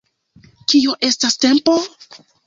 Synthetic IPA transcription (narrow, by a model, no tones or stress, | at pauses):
kio̞ʔe̞staste̞mpo̞